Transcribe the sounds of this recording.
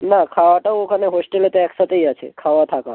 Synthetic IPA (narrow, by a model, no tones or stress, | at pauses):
nakʰaʋaʈaʋokʰəneɦosʈelet̪eɛksat̪əijat͡ʃʰḛkʰaʋat̪ʰaka